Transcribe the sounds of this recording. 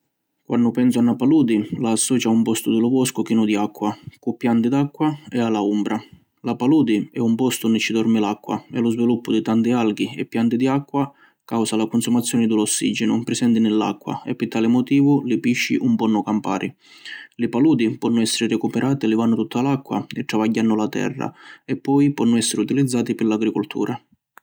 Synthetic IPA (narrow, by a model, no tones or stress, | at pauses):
kwanːʊpɛnsʊanːapaluːd̪ilaːsːɔːt͡ʃaumpɔst̪ʊd̪ɪlʊvɔskʊk̟iːnʊd̪iakːwakʊpːjant̪ɪd̪akːwaɛalaumbɾa | lapaluːd̪iɛumpɔst̪ʊunːɪt͡ʃid̪ɔrmɪlakːwa̰ɛ̰lʊzvilupːʊd̪ɪt̪ant̪ɪalɡiɛ̰pːjant̪ɪd̪iakːwa | kawsalakʊnsumat̪sːjɔːnɪd̪ulɔsːḭd͡ʒɪnʊpɾɪsɛnt̪ɪnɪlːa̰kːwa̰ɛ̰pːɪt̪ːaːlɪmɔt̪iːvʊlɪpiʃːḭʔumpɔnːʊkampa̰ːɾʔi | lɪpaluːd̪ipɔnːʊɛsːɪɾɪrɛkupɛɾʔaːt̪ilɪvanːʊt̪ut̪ːalakːwa̰ɛt̪ːɾavaɟːanːʊlat̪ɛ̰rːa̰ɛpːɔjpɔnːʊɛsːɪɾɪut̪ilid̪zːaːt̪ipɪɾlaɡɾikolt̪ʰṵːɾʔa